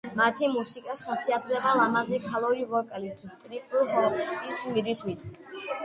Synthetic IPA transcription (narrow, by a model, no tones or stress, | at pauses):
mat̪ʰimusikʼaχasiat̪ʰlɛbalamazɛkʰalˠɔɾivɔkʼɛlit̪ʼɾipʼulɦɔkʼismiɾit̪ʰwit̪ʰ